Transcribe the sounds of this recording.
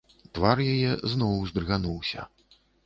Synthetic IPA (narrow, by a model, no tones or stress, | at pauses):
t̪varjajɛznɔwzd̪rɣanuwsʲɐ̰